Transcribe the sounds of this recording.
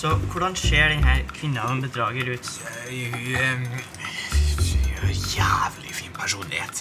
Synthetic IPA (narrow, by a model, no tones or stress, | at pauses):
sɔkʰʊɖɑnseːɖɛnɦæːɾkʰʋɪnːəɑʋəmbəd̪ɾɑːɡəɾʉːt̪ | h | jæːʋlɪ̰fiːnpʰæʂuːnlɪhḛːt̪